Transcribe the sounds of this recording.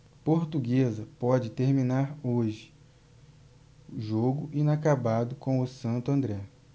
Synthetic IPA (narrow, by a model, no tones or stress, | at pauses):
poɾt̪uɡezɐpɔd͡ʒɪt̪eɾmĩnaɾoʒɪ | ʊʒoɡʊʔĩnakabad̪ʊkõw̃ʊsɐ̃nt̪ʊɐ̃nd̪ɾɛ